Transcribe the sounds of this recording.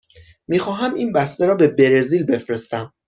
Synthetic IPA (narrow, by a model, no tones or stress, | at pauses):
miːxɒːɦæmiːnbæst̪eɾɒːbe̞be̞ɾeziːlbe̞fɾe̞st̪æm